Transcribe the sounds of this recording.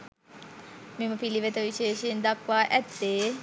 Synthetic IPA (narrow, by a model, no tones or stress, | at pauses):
meməpiliʋet̪əʋiʃeːʃəjind̪akʋaːʔæt̪ːeː